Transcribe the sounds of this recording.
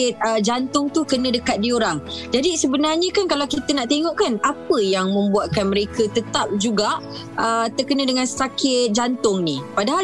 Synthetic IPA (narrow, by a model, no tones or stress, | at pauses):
ɪt̪̚əd͡ʒant̪ʊŋt̪ukənə̃dəkat̪̚dioɾaŋd͡ʒadisəbənarɲə̃kankalawkit̪ənaʔt̪eŋɔʔkanapəjaŋmə̃mbuat̪̚kanməɾekət̪ət̪ap̚d͡ʒuɡaʔ | ət̪əkənə̃dəŋansə̥t̪akɪt̪̚d͡ʒant̪ʊŋnipadaɦal